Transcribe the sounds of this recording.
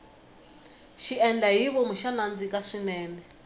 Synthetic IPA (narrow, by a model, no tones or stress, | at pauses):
ʃiɛnd͡ɮaɦiβɔmuʃanand͡zikaʂinɛːnɛ